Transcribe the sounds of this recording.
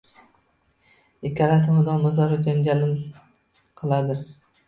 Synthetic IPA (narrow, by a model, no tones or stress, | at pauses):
ɪkʲʰːaɾas̬ɪmʊd̪ɒmʊzaɾɪd͡ʒanɡʲalɪm | qʰɨlˠad̪ɪ